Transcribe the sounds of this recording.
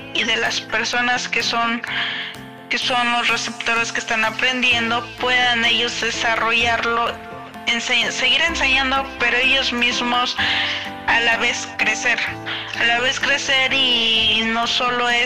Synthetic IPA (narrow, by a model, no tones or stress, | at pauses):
iðe̞laspe̞ɾso̞naskeso̞n | keso̞nlosre̞se̞pt̪o̞ɾe̞skeːst̪anapɾe̞nd̪je̞nd̪o̞pwe̞ðane̞ʝo̞zðesaro̞ʝaɾlo̞ | ensese̞ɣiɾe̞nseɲãnd̪o̞pe̞ɾoe̞ʝo̞zmizmo̞s | alaβe̞skɾe̞seɾalaβ̞e̞skɾe̞seɾino̞so̞lo̞e